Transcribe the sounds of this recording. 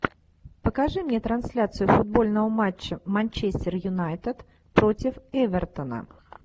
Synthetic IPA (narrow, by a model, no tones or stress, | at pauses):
pəkɐʐɨmnʲet̪ɾɐnsʲlʲat̪sɨjʊfʊd̪̚bo̞lʲnəvəmat͡ɕːəmanʲt͡ɕesʲtʲɪrjʊnajt̪ət̪ | pɾo̞tʲɪfɛvʲɛrt̪ənə̰